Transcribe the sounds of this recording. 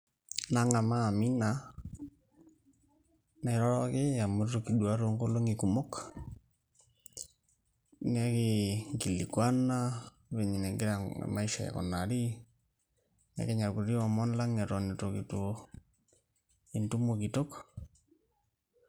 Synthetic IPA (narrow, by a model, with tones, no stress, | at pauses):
na˦ŋa˨maː˦˨mi˦na˨ | nɛ˨ɾɔ˦ɾɔ˦kɪ˦ja˨mu˨ro˦ki˨ɗwa˦ɾo˦ŋɡo˦lo˦ŋi˨ku˨mo˦k | nɛ˦kɪ˦ŋki˨li˨kwa˦na˦ | βe˨ɲi˨nɛ˨ŋɡɪ˦ɾa̰˨ma˦i˦ʃa̰˨ja̰˨kɔ̰˨na˨ɾi˦ | nɛ̰˦ke˦ɲa˨ɾku˨ri˦ɔ˨mɔ˦nla˦ŋɛ˨ɾo˨ni˨to˨ki˨to˨ | i˨ntu˦mo˨ki˨to˦k